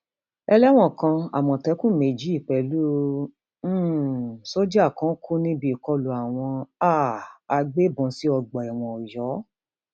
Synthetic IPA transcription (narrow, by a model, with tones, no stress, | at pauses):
ɛ˧lɛ˦w̃ɔ̃˦˨kã˧a̰˨mɔ̃˨tɛ˨˦kũ˦me˨d͡ʒi˨˦i˦˨k͡pɛ˧˨lũ˦ | so˦d͡ʒa˦˨kã˨˦kʰu˦nĩ˦bi˧i˨kɔ˧lu˨a˨w̃ɔ̃˧a˦˨a˧ɡ͡be˦bɔ̃˨˧si˨˦ɔ˧ɡ͡bɔ˨ɛ˨w̃ɔ̃˧ɔ˨jɔ˨˦